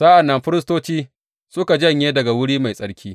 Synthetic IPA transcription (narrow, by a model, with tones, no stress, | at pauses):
sa˦ʔa˨nːɐ˦mɸɪ˦ɾɪ˦s̬toː˦t͡ʃiː˦ | sʊ˦ka˨d͡ʒɐ˦˨ɲjeː˦dɐ˨ɡa˨wʊ˦ɽiː˦ma˨jsʼɐ˦ɽkʲʰiː˦